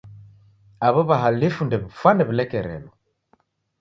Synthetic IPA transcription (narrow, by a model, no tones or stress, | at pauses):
aβɔβaɦalifundɛβifwanɛβilɛkɛɾɛ̰lɔ